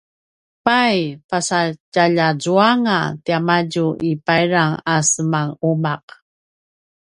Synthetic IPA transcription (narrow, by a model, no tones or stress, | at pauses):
pajpasacaʎad͡zuaŋa̰tiamaɟuʔipajɾaŋasəmaŋumaq